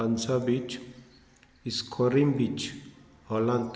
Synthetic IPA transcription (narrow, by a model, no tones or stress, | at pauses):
ansabit͡ʃ | iskʰoɾimbit͡ʃ | hɔlãnt̪